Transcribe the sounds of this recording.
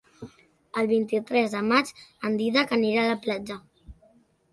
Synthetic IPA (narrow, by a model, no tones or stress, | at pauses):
əlˠβint̪it̪ɾɛzðəmat͡ʃənd̪iðəkəniɾaləplad͡ʒə